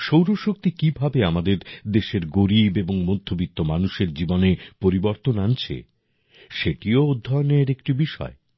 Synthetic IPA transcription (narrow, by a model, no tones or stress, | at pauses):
ʃowɾoʃok̚t̪ikibʱabeamad̪eɾd̪eʃeɾɡoɾibeboŋmod̪ʱːobit̪ːomanuʃeɾd͡ʑibonepoɾiboɾt̪onant͡ɕʰḛ | ʃeʈiood̪ʱːaoneeɾekʈibiʃɔ̰e